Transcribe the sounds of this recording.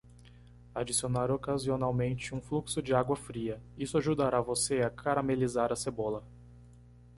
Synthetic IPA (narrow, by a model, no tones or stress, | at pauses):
ad͡ʒisionaɾokazionawmẽnt͡ʃɪũfluksʊd͡ʒɪaɡwɐfɾiɐisʊaʒud̪aɾavoseakʰaɾamelizaɾɐsebolɐ